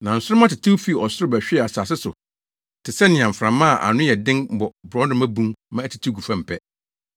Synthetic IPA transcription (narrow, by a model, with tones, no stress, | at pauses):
nã˨n̩˨sʊ˦ʊ˦mã˦tɪ˨tʰi˦wfi˦˨ɔ˨sʊ˦ɾɪ˦bæ˨ɕᶣi˦ɛ˦˨a˨saː˨s̬ɪ˦sʊ̰˨ | tʰɪ˨sɛ˦nɪ̃˨ã˨m̩˨fɾã˨mã˦a˨ʔa̰˨nʊ̃˦jɛ˨dɪ̃˦n˦bɔ˨bʊ˨ɾɔ˨˦nʊ̃˦mæ̃˦bũ˦mmã˦æ˦˨tʰi̥˨tʰi˦ɡu˨fã˦˨m̩˨pʰɛ˦